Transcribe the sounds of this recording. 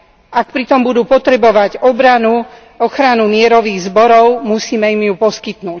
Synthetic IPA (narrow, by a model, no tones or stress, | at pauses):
ak̚pɾit̪ɔmbud̪uːpɔt̪ɾɛbɔʋaɟɔbɾanu | ɔxɾanumɪɛɾɔʋiːɣzbɔɾɔʊmusiːmɛimjupɔskit̪nuːc